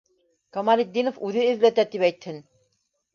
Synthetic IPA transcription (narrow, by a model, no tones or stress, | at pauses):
kɐmalʲid̪ʲːinofʉðɘɘ̆ðlæt̪æt̪ipæjt̪hɘn